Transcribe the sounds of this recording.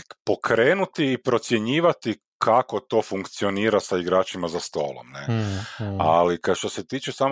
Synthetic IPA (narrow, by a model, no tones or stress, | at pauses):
po̞kʰɾeːnut̪iːpɾo̞t̪sje̞ɲiːʋat̪i | kʰako̞t̪o̞ːfuŋkt̪sio̞niːɾasaiɡɾaːt͡ʃimazast̪o̞̰ːlo̰mnḛ | alikaʃt̪o̞set̪iːt͡ʃɛsaːm